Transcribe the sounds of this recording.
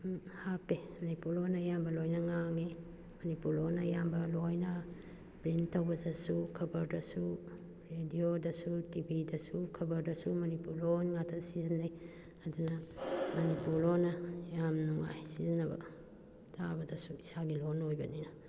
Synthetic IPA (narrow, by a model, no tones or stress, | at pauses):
hapemɐnipuɾlonɐjambɐlojnɐŋaŋi | mɐnipuɾlonɐjambɐlojnɐ | pɾintɐwbɐzɐsukʰɐbɐɾdɐsu | ɾediodɐsutibidɐsukʰɐbɐɾdɐsumɐnipuɾlonŋatʰɐsizinaj | adunɐmɐnipuɾlonɐjamnuŋa̰jsizinɐbɐ̰ | tʰabɐdɐsuisaɡilonojbɐninɐ